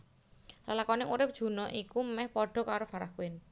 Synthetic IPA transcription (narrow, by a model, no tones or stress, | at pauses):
lalakɔnɪŋuɾɪp̚d̥ʒ̥ṳnɔʔikumɛhpɔɖ̥ɔ̤kaɾofaɾakwɪn